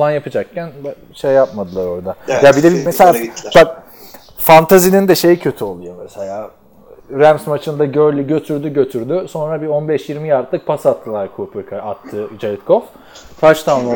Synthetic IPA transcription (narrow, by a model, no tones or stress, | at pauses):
falˠanjapɯd͡ʒak̚cʰæn | ʃejːapmad̪ɯlˠaɾo̞ɾd̪ajabid̪ɛbimeselʲaa | fant̪ʰazinʲind̪ɛʃe̞jicʰø̞t̪ʰyo̞lˠujomɛselʲaː | ɾæmsmat͡ʃʰɯnd̪aɟøɾlʲiɟø̞t̪ʰyɾd̪yɟø̞t̪ʰyɾd̪yso̞nɾabio̞nbɛʃjiɾmijaɾt̪lˠɯk̚pʰasat̪ʰːɯlˠaɾkʰuːpʰɯɾkʰaat̪ʰːɯd͡ʒalʲit̪kʰof | kʰat͡ʃt̪ʰaːnnˠ